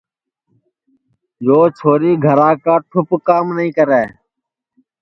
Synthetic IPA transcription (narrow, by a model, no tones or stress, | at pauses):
joːt͡ʃʰoːɾiːɡʱəɾãːkaːʈʰʊpkaːmnəɦĩːkəɾɛː